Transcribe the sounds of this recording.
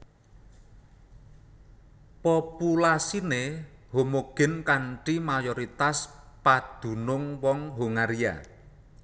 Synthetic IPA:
populasinehomoɡ̥ɪ̤nkaɳʈimajɔɾit̪as | pad̪̥ṳnʊŋwɔŋɦuŋaɾia̰

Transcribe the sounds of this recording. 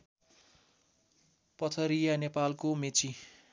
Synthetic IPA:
pʌt̪ʰʌɾijanepalkomet͡si

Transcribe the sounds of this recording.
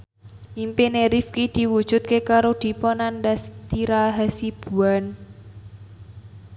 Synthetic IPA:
ʔimpeneɾifkid̪̥i̤wud̥ʒ̥ʊ̤t̪̚kekaɾod̪̥i̤pɔnandast̪iɾaɦasib̥ṳan

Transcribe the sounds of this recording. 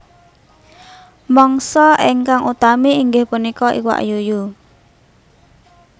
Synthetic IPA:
mɔŋsɔʔɪŋkaŋʔut̪amiːŋɡɪhpunikɔʔiwa̰ʔjuju

